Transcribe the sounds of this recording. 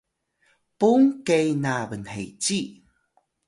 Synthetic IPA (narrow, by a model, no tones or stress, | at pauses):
puŋkejnabənhḛjt͡ɕi